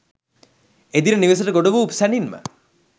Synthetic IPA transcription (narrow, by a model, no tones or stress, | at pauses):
ed̪iɾəniʋes̬əʈəɡoɖəʋuupsæninmə̰